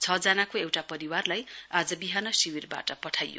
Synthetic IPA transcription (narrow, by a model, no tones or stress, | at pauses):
t͡sʰʌd͡zanakoewʈapʌɾiwarlajad͡zʌbiɦanʌsiwirba̰ʈʌpʌʈʰajjo̰